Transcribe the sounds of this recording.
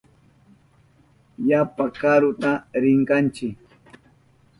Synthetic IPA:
japakaɾʊt̪aɾɪŋkɑnt͡ʃɪk

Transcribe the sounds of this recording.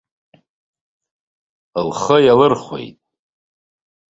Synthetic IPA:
lχəjalɨrχʷwḛjtʼ

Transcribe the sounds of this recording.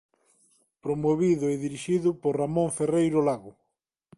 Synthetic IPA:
pɾomoβiðʊeðiɾiʃiðʊpoɾramõɱferejɾolaɣʊ

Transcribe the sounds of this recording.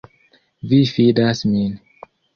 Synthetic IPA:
vifidasmĩn

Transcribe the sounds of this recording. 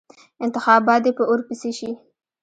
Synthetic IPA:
ɪnt̪ɪxɑbɑt̪d̪epəʔoɾpiseʃi

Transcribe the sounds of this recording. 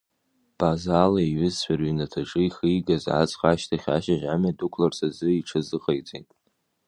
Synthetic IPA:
b̥azaːlaiɥʏzɕʷᶣarɥinatʰaʈ͡ʂʼɨiχiiɡazʕa̰t͡sʼχaʃtʰaχʲa̰ʃaʒamadukʷʰlarsazɨiʈ͡ʂʰazɨqʼejt͡sʼejtʼ

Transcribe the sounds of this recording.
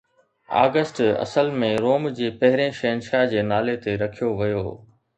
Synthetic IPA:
a̰ːɡəsʈɐ̰səlmẽɾoːmd͡ʑeːpɐɦɪɾẽʃeːnʃad͡ʑeːnaːlet̪eɾɐkʰijoʋɐjo̰ː

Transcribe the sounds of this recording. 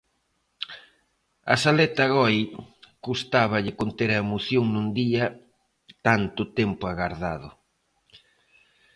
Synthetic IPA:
ɐ̰salɛt̪aɣɔjkust̪aβɐʎɪkont̪eɾɐemoθjoŋnũnd̪iɐ | t̪ant̪ʊt̪ɛmpʊaɣaɾðaðʊ

